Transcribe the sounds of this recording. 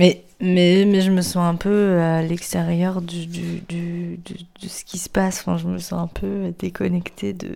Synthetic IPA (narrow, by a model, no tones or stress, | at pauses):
mɛ | mɛmɛʒəməsɑ̃ɛ̃pøølɛkst̪eʁjœʁd̪əd̪yd̪yd̪əd̪əsə̥kʲisə̥pasɔ̃fɛ̰̃ʒəməsɑ̰̃ɛ̃pʰød̪ekʰɔnɛkt̪ʰed̪ə̰